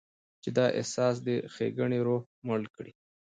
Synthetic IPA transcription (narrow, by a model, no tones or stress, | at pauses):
t͡ʃed̪ɑʔḛhsɑːs̬d̪əxeɡəɳiɾo | malkɽi